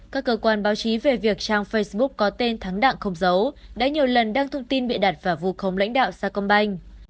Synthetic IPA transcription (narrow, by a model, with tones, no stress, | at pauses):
kaː˦˥kːəː˧kwaː˧nɓaː˨˦wt͡ɕi˨˦ve˨˩vi˨˩ək̚t͡ɕaː˧ŋfə˧jsɓu˦˥k̚ːɔ˨˦t̪e˧nt̪ʰa˨˦ŋɗa̰ː˧˨ŋxə˧wŋ͡mzə˨˦wɗa̰ː˧˥ɲi˨˩əwlə˨˩nɗaː˧ŋt̪ʰə˧wŋ͡mt̪i˧nɓḭ˧˨ɗa˨˩t̚vaː˨˩vu˧xə˨˦wŋ͡mla̰˧˥jŋ̟ɗa̰ː˧˨wsaː˧knɓa˧jŋ̟